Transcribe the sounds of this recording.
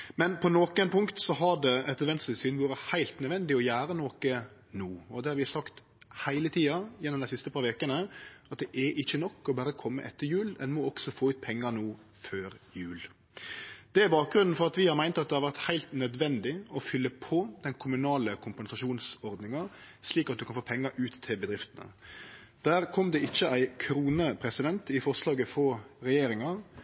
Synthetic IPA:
mɛnpʰɔnɔkɛnpʰʊŋkt̪sɔɦɑɖ̪ɛɛt̪ɛd̪ʋɛnsəsyːnbuːɾəhæɪlt̪nœd̪ʋɛnd̪ɪɔjæːɾənɔkə | nuːɔd̪ɛhɑɾʋɪsɑkt̪ | hæɪlət̪ʰiːɑjɛnːɔmd̪æɪsɪst̪əpʰɑːɾʋeːkənəʔɑt̪̚d̪ɛʔɛɾʔɪçːənɔkːɔbæːɾəkʰɔmːə̰ʔɛt̪ːəɾjʉːlɛnmɔɔksɔfoːʉːt̪̚pʰɛŋːəɾnuː | føːɾjʉːl | d̪̥ɛæɾbɑːk̚ɡɾʉnn̩fɔɾɑt̪ʋɪhɑɾmæɪnt̪ɑt̪̚d̪ɛhɑɾʋæʁt̪hæɪlt̪nœd̪ʋɛnd̪ɪɔfʏlːəpʰɔd̪ɛnkʰʊmʉnɑːləkʰʊmpɛnsɑʃuːnsɔɾd̪nɪŋɑ | sliːkɑt̪̚d̪ʉkʰɑnfoːpʰɛŋːəɾʔʉːt̪ʰːɪlbəd̪ɾɪft̪ənə̰ | d̪̥æːɾkʰɔmd̪ɛɪçːəʔæɪkʰɾuːnəpʰɾɛsɪd̪ɛnt̪ɪfɔslɑːɡəfoːɾɛjeːɾɪŋɑ

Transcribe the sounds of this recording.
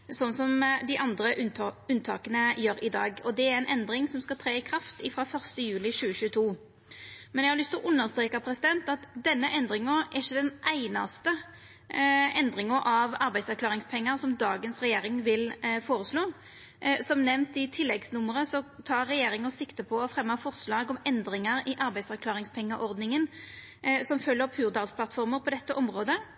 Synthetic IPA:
sɔnːsɔmd̪ɪʔɑnd̪ɾəʔʉʉnt̪ʰɑ̰ːkənəjøːɾɪd̪ɑ̰ːɡɔd̪ɛæɾɛnʔɛnd̪ɾɪŋsɔmskɑt̪ʰɾeːɪkʰɾɑft̪ɪfɾɑːfœʁst̪əjʉːlɪɕʉːəɕʉːət̪ʰuː | mɛnjæɡhɑɾlʏst̪ɪlɔʔʉnːəʁst̪ɾeːkɑpʰɾɛsɪd̪ɛnt̪ɑt̪d̪ɛnːəʔɛnd̪ɾɪŋəɛɪçːəd̪ɛnʔæɪnɑ̰st̪ə | ɛnd̪ɾɪŋəɾʔɑʋɑɾbæɪsɑʁkʰlɑːʁɪŋspʰɛŋːəɾsɔmd̪ɑːɡənsʁɛjeːɾɪŋʋɪlfoːʁəsloː | sɔmnɛʋnt̪ɪt̪ʰɪlːɛɡsnʊmːəʁəsɔt̪ʰɑːɾːɛjeːɾɪŋəsɪkt̪əpʰɔːfʁɛmːɑfɔʁslɑːɡɔmɛnd̪ɾɪŋəɾɪʔɑɾbæɪd̪sɑʁkʰlɑːʁɪŋspʰɛŋːəʔɔʁd̪nɪŋən | sɔmfœlːəpʰʉːʁd̪ɑːsplɑt̪fɔɾməɾpʰɔd̪ɛt̪ːəʔɔmʁoːd̪ə

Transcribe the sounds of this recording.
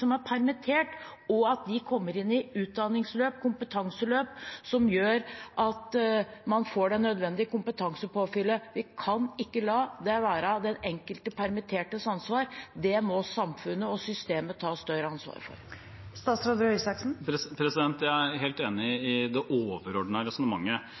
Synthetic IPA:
sɔmæɾpʰæɾmɪt̪ʰeːʈɔɑt̪̚d̪ɪkʰɔmːəɾɪnːɪʉːt̪̚d̪ɑnɪŋsløːpkʰʊmpət̪ʰɑŋsəløːpsɔmjøːɾʔɑt̪mɑnfoːɖɛnːœd̪ʋɛnd̪ɪəkʰʊmpət̪ʰɑŋsəpʰoːfʏlːəʋɪkʰɑnɪkːəlɑːd̪ɛʋæːɾɑd̪ɛnɛŋkəlt̪əpʰæɾmɪt̪ʰeːʈəsɑnsʋɑːɾd̪ɛmɔsɑmfʉnːəɔsʏst̪eːmət̪ʰɑːst̪œɾəɑnsʋɑ̰ːɾfɔ̰ɾ | st̪ɑːsɾod̪ɾœʏsɑksn̩pʰɾɛsɪd̪ɛnt̪jæɪæɾɦɛːlt̪eːnɪɪd̪ɛʔoːʋəɾɔɖnəɾɛsnəmɑŋːə

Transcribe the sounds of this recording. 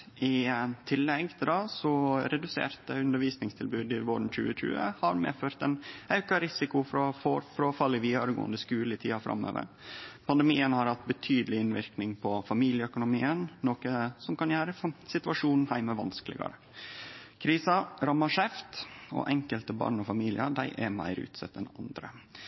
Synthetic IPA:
ʔɪt̪ʰɪlːɛɡt̪d̪ɑsɔɾɛd̪ʉsḛːɾt̪əʉnd̪əɾʋiːsnɪŋst̪ʰɪlbʉːd̪ɪʋoːɾɳ̩c͡çʉ̰ːəc͡çʉ̰ːə̰hɑɾmḛːføːɾt̪ɛnɑʉkɑɾɪsɪkʊfɾɔfɔfɾɔfɑlːɪʋiːɑɾɡo̰ːənd̪əskʉːləɪt̪ʰḭːɑfɾɑ̰mːø̰ːʋə̰ɾpʰɑnd̪ɛmiːənhɑɾhɑt̪̚bət̪ʰyːd̪əlɪɪnʋɪɾknɪŋpʰɔfɑmiːlɪəœkʊnʊmiːənnoːkəsɔmkɑnjæːɾəsɪt̪ʉɑʂuːnn̩hæɪməʋɑ̰nskəlɪ̰ɡɑ̰ɾə | kʰɾiːsɑɾɑmːɑʂɛft̪ɔ̰ʔɛŋkəlt̪əbɑ̰ːɳɔfɑmiːlɪ̰əd̪æɪʔɛmæ̰ɪɾʉ̰ːt̪sɛt̪ːɛnɑnd̪ɾə̰

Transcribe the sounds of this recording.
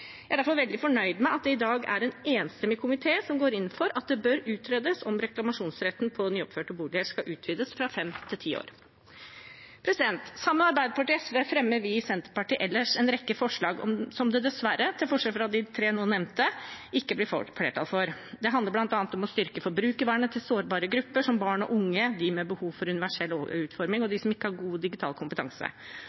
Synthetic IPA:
jæɪæɖ̪æɾfɔɾʋɛld̪ɪfɔɳœʏd̪mæɪɑt̪̚d̪ɛɪd̪ɑːɡæ̰ɾɛneːnst̪ɛmɪkʰʊmɪt̪ʰeːsɔmɡoːɾɪnːn̩fɔɾɑt̪̚d̪ɛbœɾʉːt̪ʰɾeːd̪əsɔmɾɛklɑmɑʂuːnsɾɛt̪ːn̩pʰɔnyːɔpføːʈəbuːlɪəʂkɑʔʉːt̪ʰʋiːd̪əsfɾɑfɛmt̪ʰɪlt̪ʰiːo̰ːɾ | pʰɾɛsɪd̪ɛnt̪sɑmːəɑɾbæɪd̪əpʰɑʈɪːɛsʋəfɾɛmːəɾʋɪsɛnt̪əɾpɑʈiːʔɛlːəʂɛnɾɛkːəfɔʂɭɑːɡɔ̰msɔmd̪ɛd̪ɛsʋæɾət̪ʰɪlfɔʂɛlfɔɾɑd̪ɪt̪ʰɾeːnoːnɛnt̪əɪkːəblɪfleːʈʰɑ̰lfɔɾd̪ɛɦɑnd̪əɾblɑnt̪ɑːnət̪ɔmɔst̪ʏɾkəfɔɾbɾʉːkəʋæːɳət̪ʰɪlsoːɾbɑːɾəɡɾʉpːəʂɔmbɑːɳɔ̰ʔʊŋːəd̪ɪmɛbəhuːʋfɔɾʉnɪʋæʂɛlːo̰ʉːt̪fɔɾmɪŋɔd̪ɪsɔmɪkːəhɑɾɡuːd̪ɪɡɪt̪ʰɑ̰ːlkʰʊmpət̪ʰɑ̰ŋsə̰

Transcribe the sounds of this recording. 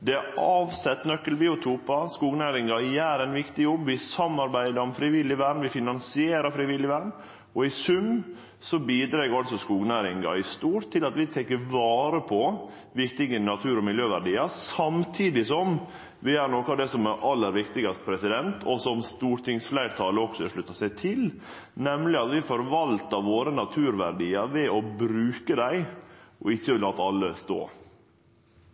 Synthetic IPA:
d̪ɛæʔɑːʋsɛt̪ːnœkːəlbiːʊt̪ʰuːpɑskuːɡnæːɾɪŋɑjæːɾɛɪnʋɪkt̪ɪjɔbːʋɪsɑmːɑɾbæɪd̪əɾɔmfɾɪʋɪlːɪʋæɾɳʋɪfɪnɑnsɪeːɾɑfɾɪʋɪlːɪʋæɾɳ | ɔɪsʉm | sɔbiːd̪ɾeːɡəɾɑlsɔskuːɡnæɾɪŋɑ̰ɪst̪uːɾt̪ʰːɪlɑt̪ʋɪt̪ʰɛkːəʋɑːɾəpʰɔ | ʋɪkt̪ɪɡənɑt̪ʰʉːɾɔmɪljøːʋæɖiːɑsɑmt̪ʰiːd̪ɪsɔm | ʋɪæɾnoːkəɑʋd̪ɛsɔmæɾʔɑlːəɾʋɪkt̪ɪɡɑst̪ə̥pʰɾɛsɪd̪ɛnt̪ʰɔsɔmst̪uːɾʈ̪ʰɪŋsflæɪɾt̪ʰɑːləɔksɔɛʂɭʉt̪ːəsæɪt̪ʰɪl | nɛmlɪɑt̪ʋɪfɔɾʋɑlt̪ɑʋoːɾənɑt̪ʰʉːɾʋæɾɖiːəɾʋɛɔbɾʉːkəd̪æɪʔɔɪçːəlɑːt̪əɑlːəst̪o̰ː

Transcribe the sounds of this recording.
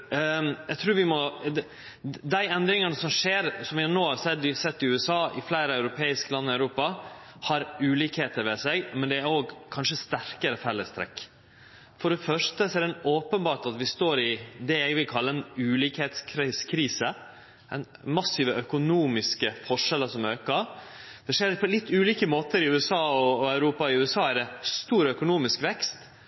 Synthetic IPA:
æɪt̪ʰɾuːɾʋɪmɔd̪ɛ | d̪æɪɛnd̪ɾɪŋɑnəsɔmʂeːɾsɔmʋɪhɑnoːhɑɾsɛd̪ːʋɪsɛt̪ːɪʉːɛsɑːʔɪflæɪɾəœʉɾʊpʰeːɪskəlɑnːɪɑœʉɾuːpɑ | hɑɾʉːliːkheːt̪əɾʋɛsɛɡmɛnd̪ɛæɾoːɡkʰɑnʂəst̪æɾkəɾəfɛlːəst̪ʰɾɛ̰kː | fɔɖɛfœʂtəsɔɛɾd̪ɛnoːpənbɑːʈɑt̪ʋɪst̪oːɾɪd̪ɛɛɡʋɪlkʰɑlːəɛnʉːliːkheːt̪skʰɾiskʰɾiːsə | ɛ̰nmɑsɪʋəœkʊnuːmɪskəfɔʂɛləsɔmøːkəd̪̥ɛʂeːɾpʰɔlɪt̪ːʉːliːkəmoːt̪əɾɪʉːɛsɑːɔːæʉɾuːpɑɪʉːɛsɑːæɖ̪ɛst̪uːɾœkʊnuːmɪskʋɛkst̪

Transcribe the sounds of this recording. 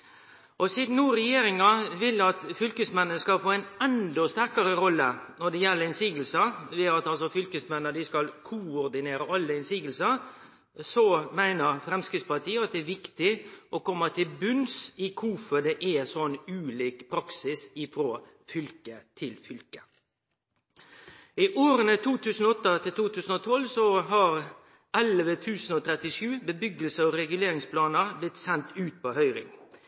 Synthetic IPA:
ʔɔsiːd̪n̩nuːɾɛjeːɾɪŋɑʋɪlːɑt̪fʏlkəsmɛnːənskɑlfoːæɪnɛnd̪ɔst̪æɾkɑɾəɾɔlːənɔɖɛjɛlːəɾɪnsiːɡəlsəʋeɑt̪ɑlsɔfʏlkəsmɛnːəɖ̪ɪskɑlkʰʊɔɾd̪ɪneːɾəʔɑlːəɪnsiːɡəlsəɾ | sɔmæɪnəɾfɾɛmskɾɪt̪spɑʈ̪ʰiːəɑt̪̚d̪ɛæʋɪkt̪ɪʔɔkɔmːɑt̪ʰɪlbʉnsiːkʰʊfɔɖ̪ɛʔæsɔnʉːliːkpʰɾɑksɪsɪfɾoː | fʏlkət̪ʰɪlfʏlkə̥ | ɪʔoːɾənət̪ʰuːt̪ʰʉːsn̩ɔɔt̪ːət̪ʰɪlt̪ʰuːt̪ʉːsən̩ɔt̪ʰɔlsɔɦɑɾ | ʔɛlʋət̪ʰʉːsən̩ɔt̪ʰɾɛt̪ɪʂʉːbəbʏɡəlsəɔɾɛɡʉleːɾɪŋspʰlɑːnəɾblɪt̪sɛnt̪ʉːt̪̚pʰɔhœʏɾɪ̰ŋ

